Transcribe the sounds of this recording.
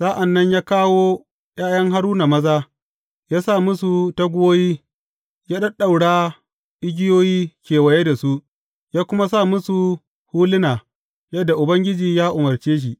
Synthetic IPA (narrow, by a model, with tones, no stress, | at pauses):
saː˦ʔa˨nːɐ˦ɲjaː˦kaː˦woː˦ | j̰aː˦jɐ˦ŋɦa˦ɽuː˦na˨mɐ˦zaː˦ | jaː˦sa˦˨mʊ˦su˨ta˦ɡʷʊ˦woː˦jiː˦ | jaː˦ɗɐ˦ɗa˨wɽaː˦ | ʔɪ˦ɡʲɪ˦joː˦jiː˦kʲeː˨wɐ˨je˦da˨su˦ʔ | jaː˦kʷʊ˦ma˦s̬a˦˨mʊ˦su˨ | huː˦lɪ˦naː˨ | jɐ˦dːa˨ʔʊ˨bɐ˦ŋɡʲɪ˦d͡ʒiː˨jaː˦ʔʊ˨mɐ˨rt͡ʃeː˦ʃ̬i˨ʔ